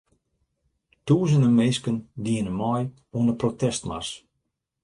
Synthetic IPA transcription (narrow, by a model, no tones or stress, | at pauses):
tuːzəndəmeːskəndiənəmɔj | uənəprotɛstma̰s